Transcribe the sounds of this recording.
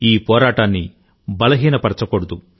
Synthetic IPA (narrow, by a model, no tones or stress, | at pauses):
iːpɔːɾaːʈaːnːi | bɐlɐɦiːnɐpɐɾɐt͡ʃɐkoɽud̪u